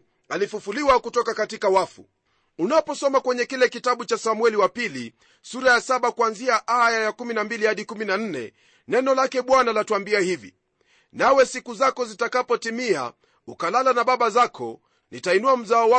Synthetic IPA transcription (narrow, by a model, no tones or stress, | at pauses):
alifufuliwakutɔkakatikawafṵ | unapɔsɔmakwɛɲɛkilɛkitaɓut͡ʃasamwɛliwapili | suɾajasaɓakuanziaʔajajakuminambilihaɗikuminan̩nɛ̰ | nɛnɔlakɛɓwanalatuambiahivḭ | nawɛsikuzakɔzitakapɔtimia̰ | ukalalanaɓaɓazakʰɔ̰ | nitainuam̩zaɔwa